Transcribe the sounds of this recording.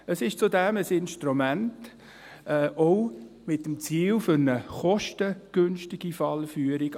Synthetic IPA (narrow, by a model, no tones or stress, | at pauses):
əsɪʃt͡sudɛməsɪnʃtɾumænt | ʔɛʔɔʊ | mɪtːəmt͡siːlfʏɾnəχɔʃtəɡ̥ʏnʃtɪɡ̥ifɑlfyːəɾɪɡ